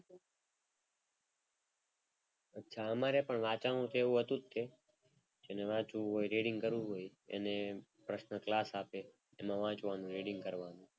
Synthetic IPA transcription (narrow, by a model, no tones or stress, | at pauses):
ətːʃʰaəmaɾepəɳʋat͡ʃanũt̪ʰeʋũɦət̪ũt̪ʰːe | d͡ʒeneʋãːt͡ʃũɦoiɾeɖɪŋɡkəɾʋũɦoiḛnepɾəʃnəklaːsape | emãʋãːt͡ʃʋanũɾeɖɪ̃ŋɡkəɾʋanũ